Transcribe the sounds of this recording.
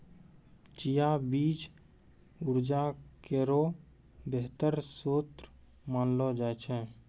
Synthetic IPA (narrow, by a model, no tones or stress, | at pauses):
t͡ʃijabiːd͡ʒ | ʊɾd͡ʒakeːɾo | beɦt̪əɾsoːt̪ɾ | maːnlɔd͡ʒaːɛt͡ʃʰɛ̃ː